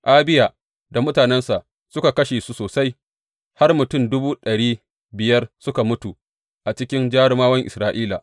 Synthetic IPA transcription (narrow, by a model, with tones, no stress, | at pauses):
ʔaː˦bɪ˦jaː˨ | da˨mʊ˦taː˨nɛ˦nsa˨ʔ | sʊ˦ka˨kɐ˦ʃeː˨su˦soː˨sa˦j | ha˦rmʊ˨tʊ˦˨mdʊ˦buː˦ɗɐ˨ɽiː˦ | bɪ˨jɐ˦rsʊ˦ka˨mʊ˦tu˨ | ʔa˨t͡ʃɪ˦kʲɪ˦nd͡ʒaː˦ɽɪ˦maː˦wɐ˦ŋʔɪ̰˨sɾaː˦ʔiː˦la̰˨